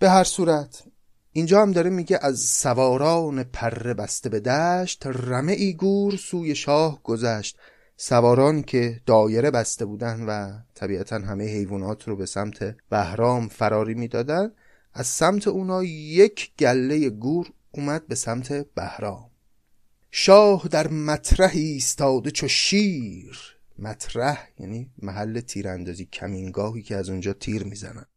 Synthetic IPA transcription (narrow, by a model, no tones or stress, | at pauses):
b̥e̞ɦæɾsuːɾæt̪ʰ | iːnd͡ʒɒːhæmd̪ɒːɾemiːɟeʔæzsævɒːɾɒːne̞pʰæɾːe̞bæst̪e̞be̞d̪æʃt̪ræme̞ʔiːɡuːɾsuːje̞ʃɒːhɡ̥o̞zæʃt̪ | sævɒːɾɒːnicʰe̞d̪̥ɒːje̞ɾe̞bæst̪e̞buːd̪ænd̪væt̪ʰæbiːæt̪ʰænɦæmejehe̞jvuːnɒːt̪ʰɾobe̞sæmt̪ʰe̞b̥æhɾɒːmfæɾɒːɾiːmiːd̪ɒːd̪ænd̪ | æz̥sæmt̪ʰe̞uːnhɒːjecʰɟ̥ælːe̞je̞ɡuːɾ | uːmæd̪̚be̞sæmt̪ʰe̞b̥æhɾɒːm | ʃɒːhd̪æɾmæt̪ʰɾæhiːst̪ʰɒːd̪e̞t͡ʃʰoʃiːɾ | mæt̪ʰɾæhjæ̰ːniːmæɦælːe̞t̪ʰiːɾænd̪ɒːziːcʲʰæmiːŋɡɒːɦiːkʰeæzund͡ʒɒːt̪ʰiːɾmiːzæ̰næ̰nd̪̥